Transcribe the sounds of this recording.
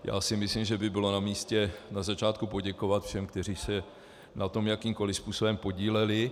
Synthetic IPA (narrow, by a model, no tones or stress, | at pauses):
ja̰ːsɪmɪslimʒɛbɪbɪlo̞namiːscɛnazat͡ʃaːt̪kupo̞ɟɛko̞vat̪fʃɛmkt̪ɛr̝iːsɛ | nat̪o̞mjakiːmko̞lɪspuːso̞bɛmpo̞ɟiːlɛlɪ